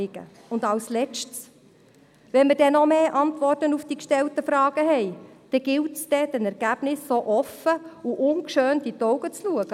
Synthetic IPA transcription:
ɪɡ̥ə̰ | ʊndɑlslɛt͡ʃts | ʋɛnmədɛnɔmeːʔɑntʋɔrtənufd̥ikʃtɛltəfɾɑːɡ̥əɦɛɪd̥ɛɡ̥ɪltsd̥̪ɛd̥ɛnɛɾɡ̥æb̥nɪsːoʔɔfəuʔʊnkʃøːnd̥itɔwɡət͡sluəɡ̥ə

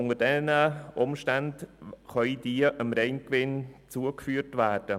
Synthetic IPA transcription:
ʊŋəd̥ɛnəʔʊmʃtandχœʏidiəʔəmɾɛɪnkʋɪnt͡suəkfyːɾtvæːrd̥ə

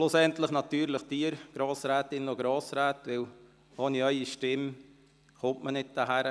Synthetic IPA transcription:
ʃlʊsɛnt̪ləχnɑt̪yːɾləχtiːəɾɡ̥ɾɑːsɾæːt̪ɪnoɡɾɑːsɾæːt̪ʋɪl | hɑniœʏiʃtɪm | χʊmʔmənɪt̚d̥̪əɦæɾə

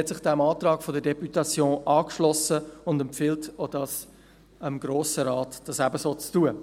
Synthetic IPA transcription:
hɛtsɪχd̥ɛmɑːt̪ɾɑːɡfɔdəɾdɛpytɑt͡sjõːʔɑːkʃlɔsəʊndɛmpfɪːltod̥ɑːs | əmɡ̥ɾoːsəɾɑːtd̥ɑsæbəsoːt͡stuə

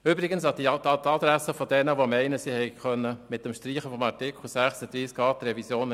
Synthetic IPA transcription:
ʏbɾɪɡənsɑdit̪ɑt̪ɑd̪ɾæsəfɔd̥ɛnəʋomɛɪnəsiːhɛɪχœnːəmɪt̚ːəmʃtɾiːχəfɔmɑɾtɪkl̩sæχsəd̥̪ɾiːskɑːt̪ɾɛvisjoːn

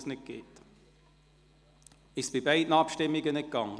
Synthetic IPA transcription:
snɪt̚ɡ̥eːt | ɪʃsb̥ɪbaɪdn̩ɑpʃtɪmːiɡənɪt̚ɡ̥ɑŋ

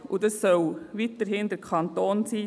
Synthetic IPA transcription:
udəsːœwʋitəɾɦɪnd̥̪əɾkʰɑnt̪oːnsiː

